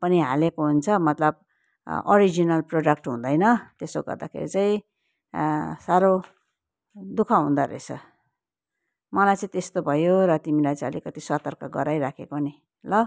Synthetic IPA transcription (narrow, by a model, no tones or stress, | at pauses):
pʌniɦalekoɦunt͡sʰʌmʌt̪lʌb̚ | ʌ̰ɾid͡zinʌlproɖʌk̚ʈɦũnd̪ʌjnʌt̪esoɡʌ̰rd̪akʰḛɾḭt͡sãĩ | saɾo | d̪ukʰaɦũnd̪aɾḛt͡sʰʌ̰ | mʌlajt͡sĩt̪est̪obʱʌjoɾʌt̪imilajt͡sãʌlikʌt̪isʌt̪ʌrkʌɡʌɾajɾakʰekoni | lʌ